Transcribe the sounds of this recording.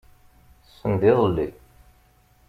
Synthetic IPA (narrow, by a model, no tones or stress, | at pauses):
θsːənd̪iðˤəlːi